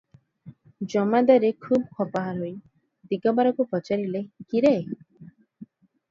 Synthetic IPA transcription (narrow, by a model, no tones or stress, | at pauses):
d͡ʒɔmad̪aɾekʰubkʰɔpaɦaɾɦoj | d̪iɡɔbaɾɔkupɔt͡ʃaɾilekiɾe